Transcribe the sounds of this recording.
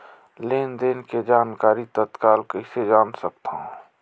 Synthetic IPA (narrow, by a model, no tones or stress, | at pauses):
leːnd̪enked͡ʒaːnkaːɾit̪ət̪kaːlkəɪsed͡ʒaːnsək̚t̪aɦ